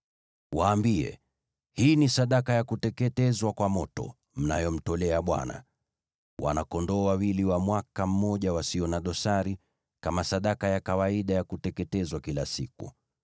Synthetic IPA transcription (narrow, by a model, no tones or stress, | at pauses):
waːmbiɛ̰ | hiːnisaɗakajakutɛkɛtɛzwakwamɔtɔ̰ | m̩najɔm̩tɔlɛaɓwa̰na̰ | wʔa̰nakɔndɔwawiliwamwakam̩mːɔʄawasiɔnaɗɔsaɾi | kamasaɗakajakawaiɗajakutɛkɛtɛzwakilasikṵ